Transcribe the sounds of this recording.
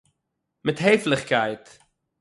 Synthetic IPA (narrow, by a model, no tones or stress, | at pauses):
mɛtɦejfləχkɛjt